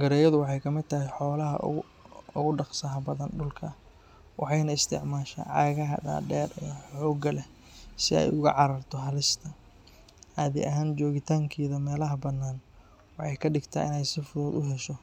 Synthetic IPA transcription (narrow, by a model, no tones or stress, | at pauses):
ɡɐɾɛːjɐðʊwɑħɑjkʰɐmɪd̪̚t̪ʰɐɦɪjħɔːlɐɦɐ̰ | ʊɣʊɖɑqsaːɦɐbɐðɐnɖʊlkʰɐ | wʔɑ̰ħɑjnɐɪst̪ʰɪ̰ʕmaːʃɐ̰ʕɑːɣɐɦɐ̰ɖa̰ːdɛːɾɛ̰jħɔːɡɐlɛ | sɪɛ̰jʊɣɐ̰ʕɑɾɐrt̪ʰɔɦɐlɪst̪ʰɐ | aːðɪ̰ʔɐɦaːnt͡ʃɔːɣɪt̪ʰaːŋkʰiːðɐmɛːlɐɦɐbɐnaːn | wɑħɑjkʰɐɖɪɡt̪ʰa̰ːɪ̰nɛjsɪfʊðɔːd̪ʊɦɛʃɔ